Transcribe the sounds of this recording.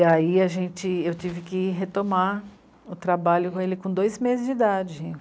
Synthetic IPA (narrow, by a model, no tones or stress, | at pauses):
aiɐʒẽt͡ʃɪewt͡ʃivɪkɪɦet̪oma | ʊt̪ɾabaʎʊkõelɪkõd̪ojzmezɪzd͡ʒid̪ad͡ʒɪ̃